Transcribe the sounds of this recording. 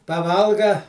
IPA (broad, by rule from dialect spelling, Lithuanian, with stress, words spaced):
pɐˈʋɐlˠɡɐ